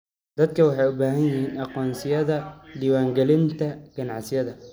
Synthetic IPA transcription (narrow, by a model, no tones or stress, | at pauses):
d̪̥ɐd̪kʰɐwɑħɑjʊbaːɦɐnjɪhiːnɑqɔːnsɪjɐðɐd̪iːwaːŋɡɛlɪnt̪ʰɐɡ̥ɐnɑʕsɪjɐðɐ